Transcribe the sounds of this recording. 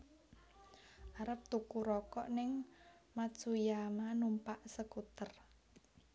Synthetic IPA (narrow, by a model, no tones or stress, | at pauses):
ʔaɾəp̚t̪ukuɾɔkɔʔnɪŋ | masujamanumpaʔsəkut̪ər